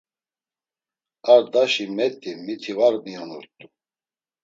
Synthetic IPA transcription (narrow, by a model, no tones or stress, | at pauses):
aɾd̪aʃimɛt̪ʼimit̪ʰivaɾmianuɾt̪ʼu